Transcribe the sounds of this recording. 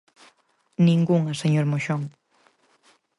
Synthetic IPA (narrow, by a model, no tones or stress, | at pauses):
nĩŋɡuŋɐseɲoɾmoʃoŋ